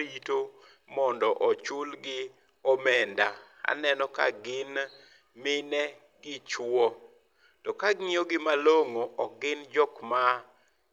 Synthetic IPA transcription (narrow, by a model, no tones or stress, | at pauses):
ito | mɔndɔʔɔt͡ʃʊlɡɪ | ɔmɛndaa̰nɛnɔka̰ɡɪn | mɪnɛ | ɡɪt͡ʃwɔ | tɔkaɡŋɪoɡɪmaloŋoʔɔɡɪnd͡ʒɔkma